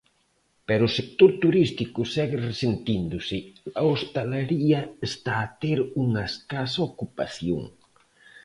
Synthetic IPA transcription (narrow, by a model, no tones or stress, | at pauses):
pɛɾʊsek̚t̪oɾt̪uɾist̪ikʊsɛɣɪresent̪ind̪ʊsɪlaost̪alaɾiɐest̪aːt̪eɾuŋaeskasaokupa̰θjo̰ŋ